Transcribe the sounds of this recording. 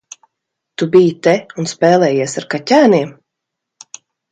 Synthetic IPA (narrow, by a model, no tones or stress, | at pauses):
t̪ubijit̪ɛunspɛːlˠɛːjiɛsaɾkacʲæːniɛm